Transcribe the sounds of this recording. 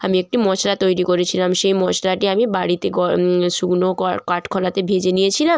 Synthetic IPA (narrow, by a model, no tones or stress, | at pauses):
amiek̚ʈimɔt͡ɕlat̪ojɾikoɾet͡ɕʰilamʃejmɔt͡ɕlaʈiamibaɽit̪eɡɔʃuɡnokkaʈkʰɔlat̪ebʱed͡ʑenijet͡ɕʰilam